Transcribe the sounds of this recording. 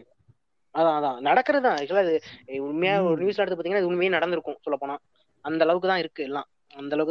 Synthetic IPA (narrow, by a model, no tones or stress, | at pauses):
ɐðãːɐðãːnɐɽɐkːɯɾɐðɯt̪ãːɐðɪŋɐlːaːɪðɯʊɳmɐjaːɔɾɯnjuːs̬laɐɾɽt̪ːɯpːaːt̪iŋɐnːaːɪðɯʊɳmɐjeːnɐɽɐnd̪ɪɾɯkːʊ̃sɔlːɐpoːɳãː | ɐnd̪ɐlɐʋɯkːɯt̪ãːɪɾɯkːɯɛlːãː | ɐnd̪ɐlɐʋɯkːɯ